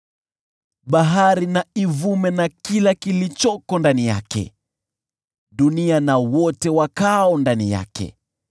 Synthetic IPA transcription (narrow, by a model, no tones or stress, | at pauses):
ɓaɦaɾinaivumɛnakilakilit͡ʃɔkɔndanija̰kɛ̰ | ɗunianawɔtɛwakaɔndanija̰kɛ̰